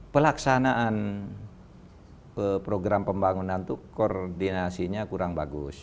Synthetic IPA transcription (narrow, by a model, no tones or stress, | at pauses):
pəlaksanaʔːn | əpɾoɡɾampəmbaŋunant̪ukordinasiɲakuɾaŋbaɡʊ̰s